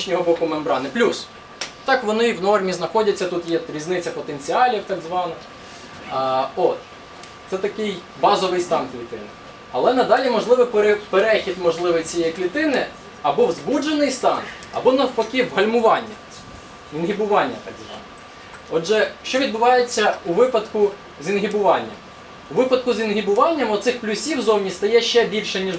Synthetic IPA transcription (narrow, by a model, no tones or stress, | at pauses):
ʃnʲɔɦɔbɔkʊmɛmbɾɑnɪplʲus | t̪ɑkʋɔnɪwnɔrmʲiznɐxɔdʲɐt͡sʲːɐt̪ut̪jɛɾʲiznɪt͡sʲːɐpɔt̪enʲt͡sʲiɑlʲiwt̪ɑɡzʋɑnɪx | ɔt̪ | t̪sɛt̪ɐkɪj | bɑzɔʋɪjst̪ɑnkʋʲit̪ɪ̰nɪ | ɐlˠɛnɐd̪ɑlʲimɔʒlˠɪʋɪpɾpeɾɛxʲid̪mɔʒlˠɪʋɪjt͡sʲijɛjiklʲit̪ɪnɪ | ɐbɔwzbud͡ʒenɪjst̪ɑn | ɐ̰bɔnɐwpɔkʲɪʋɦɐlʲmʊʋɑnʲːɐ | inɦɪbʊʋɑnʲːɐ̰t̪ɑ̰ɡzʋɑ̰nɔ | ɔd͡ʒɛʃt͡ʃɔʋʲid̪̚bʊʋɑjet͡sʲːɐuʋɪpɐd̪kʊ | zʲinɦʲibʊʋɑnʲːɐ̰m | ʊʋɪpɐd̪̚kʊzʲinɦʲibʊʋɑnʲːɐmɔt̪sɪxplʲʊsʲiwzɔwnʲist̪ɐjɛʃt͡ʃɛbʲilʲʃɛnʲiʒ